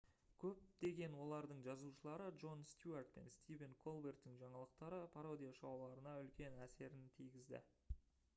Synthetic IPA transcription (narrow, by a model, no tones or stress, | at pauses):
kʲʰɵp̚d̪e̞ɡʲe̞nwo̞lˠɑɾd̪əɴʒɑzuʃəlˠɑɾədʒo̞nst̪ʲjuart̪̚pe̞̰nst̪ʲijveŋkʰo̞lˠbe̞rt̪ːɪŋʒɑɴɑlˠəq̚t̪ɑɾəpʰaɾo̞d̪ijaʃɑwlˠɑɾənɑʏlkʲe̞næse̞ɾɪnt̪ʰijɡʲɪzd̪ɪ̰